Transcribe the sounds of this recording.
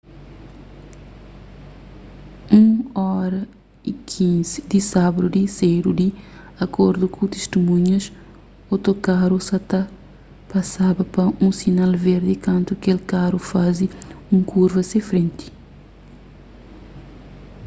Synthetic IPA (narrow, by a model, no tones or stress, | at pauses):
ũɔɾɐ | ikʰĩzid̪isabɐd̪ud̪isejɾud̪i | ɐkoɾd̪ukʰut̪iʃt̪imũɲɐs | ot̪okaɾusɐt̪ɐ | pɐsabɐpɐũsinalveɾd̪ikɐ̃nt̪ukelkaɾufaziũŋkʰuɾvɐsefɾẽnt̪i̥